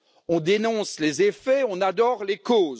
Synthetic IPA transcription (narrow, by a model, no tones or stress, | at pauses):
ɔ̃d̪enɔ̃slezefɛɔ̃nad̪ɔʁlekoːz